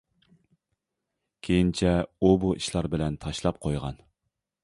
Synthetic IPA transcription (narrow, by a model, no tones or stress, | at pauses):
kʲʰejint͡ʃʰɛubuʔiʃlˠɑɾbɪlɛnt̪ʰɑʃlˠɑp̚qʰojʁɑ̰n